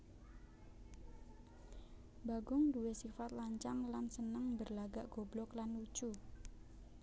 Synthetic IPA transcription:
baɡʊŋduwesifat̪̚laɲt͡ʃaŋlansənəŋbərlaɡaʔɡ̥oblɔklanu̥t͡ʃu

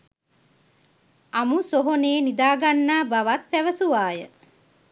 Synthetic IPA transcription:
amusoɦoneːnid̪aːɡanːaːbaʋat̪̚pæʋəsuʋaːjə

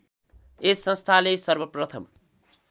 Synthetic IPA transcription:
esːʌ̃nst̪ʰalesʌrbʌprʌt̪ʰʌm

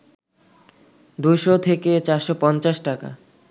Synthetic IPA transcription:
d̪ujʃot̪ʰeket͡ɕaɾʃopɔnt͡ɕaʃʈaka̰

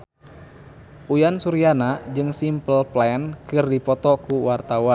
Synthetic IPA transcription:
ʔujansuɾianad͡ʒɨŋsimpəlplaɛnkɨrdipɔt̪ɔkuwart̪awa

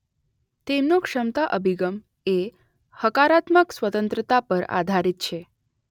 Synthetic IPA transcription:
t̪emnũkʂəmt̪aʔəbʱiɡəm | e | həkaɾat̪məksʋət̪ənt̪ɾət̪apəɾa̰d̪ʱaɾit̪̚t͡ʃʰe

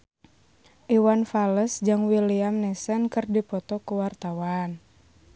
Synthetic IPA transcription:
ʔiwanfaləsd͡ʒaŋwiliamnɛsənkɨrdipɔt̪ɔkuwart̪awan

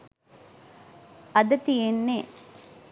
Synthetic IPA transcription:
ɐd̪ɐt̪ijenːe

